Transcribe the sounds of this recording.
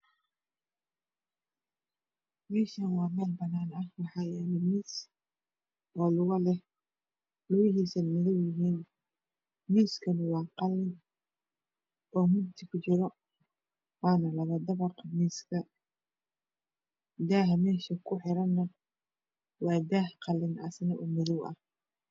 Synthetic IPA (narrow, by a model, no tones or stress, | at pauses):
mɛːʃɐnwɑːmɛːlbɐnaːnɐhwɑħɑːjɛːnɪmiːs | ʔɔːlʊɣɐlɛ | lʊɣɪɦiːsɐmɪðɔwjɪɦiːn | miːskʰɐnɐwɑːqɑlːɪn | ʔɔːmʊb̚t̪ɪkʰʊt͡ʃɪɾɔ | wɑːnɐlɐβɐd̪ɐβɐrqʰɐmiːskʰɐ | d̪aːɦmɛːʃɐkʰʊħɪɾɐnːɐ | wɑːd̪aːhqɑlɪnʔɐ̰snɐʔʊmɪðʊwɐ̰h